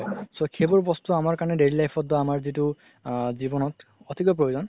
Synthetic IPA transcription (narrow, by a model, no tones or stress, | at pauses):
jsokʰebɔɹbɔstuamaɹkaɹnɛdeɹilajpʰɔtdɔamaɹzitu | zibɔnɔtɔtʰikɔp̬ɹojozɔn